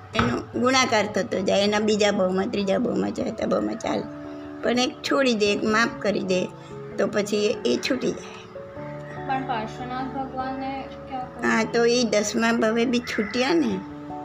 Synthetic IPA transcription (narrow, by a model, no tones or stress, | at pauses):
enõɡʊñakaɾt̪ʰət̪od͡ʒajenabid͡ʒabʱəʋmãt̪ɾid͡ʒabʱə̰ʋmã̰t͡ʃa̰et̪abʱə̰wmã̰t͡ʃa̰le | pəɳek̚t͡ʃʰoɽid̪ekmap̚kəɾḭd̪e | t̪opət͡ʃʰiet͡ʃʰuʈid͡ʒaj | pəɳpaʃənabʱəɡʋanːe | kjaɦãt̪oid̪əsmãbʱəʋebʱit͡ʃʰuʈijãne